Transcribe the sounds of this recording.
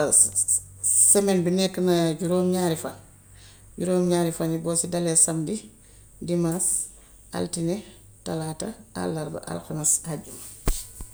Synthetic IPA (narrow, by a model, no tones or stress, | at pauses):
sɛmenbinɛkːnɐɟuɾoːmɲaɾifan | ɟuɾoːmɲaːɾifanibɔːsidɐlɛsɐmdi | dimas | a̰ltine | talaːtaa̰lːɐɾba̰ʔa̰lxanashaɟum